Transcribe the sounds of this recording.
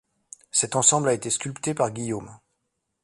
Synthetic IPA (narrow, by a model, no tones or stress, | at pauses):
sɛt̪ɑ̃sɑ̃blaet̪eskʲylpt̪epaʁɡʲijom